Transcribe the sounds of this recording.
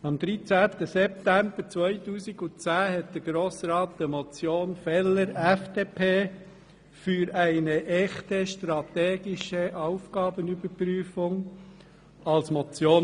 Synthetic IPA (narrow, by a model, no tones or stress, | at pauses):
ɑmd̪ɾit͡sæːt̪əsɛp̚t̪æmb̥əɾt͡sʋœɪtuːsɪɡʊt͡sæːɦɛt̚d̪̥əɾɡ̥ɾoːsɾɑːtd̥̪əmɔt͡sjoːnfɛlːəɾɛfd̥̪eːpʰeː | fyɾæɪnəʔɛχtəʃtɾɑt̪eːɡɪʃəʔɑʊfɡ̥ɑːbənybəɾpryːfʊŋ | ɑlsmɔt͡sjoː